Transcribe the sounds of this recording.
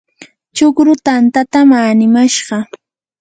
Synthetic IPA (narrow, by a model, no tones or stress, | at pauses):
t͡ʃʊkɾʊt̪ant̪at̪amaːnɪmaʃɢɑ